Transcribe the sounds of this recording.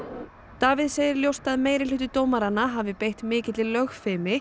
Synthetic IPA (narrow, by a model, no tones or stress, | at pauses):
t̪aːvɪðseːjɪɾljowst̪aðmeːjɾɪlʏht̪ʏt̪oːwmaɾanːaɦavɪpejht̪mɪːcɪt̪lɪlœɣfɪːmɪ